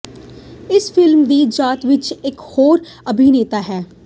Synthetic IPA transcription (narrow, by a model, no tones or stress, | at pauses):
ɪsfʰɪlmd̪iːd͡ʒaːt̪ʋɪt͡ʃɪkhoːɾ | əbʱineːt̪aːɦɛː